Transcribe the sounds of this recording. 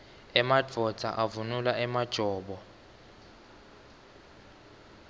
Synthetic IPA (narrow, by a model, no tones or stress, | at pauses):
ɛmad͡v̥ʱɔ̥d͡z̥ʱa̰ʔavunulaʔɛmad̥ʒ̥ʱɔːɓɔ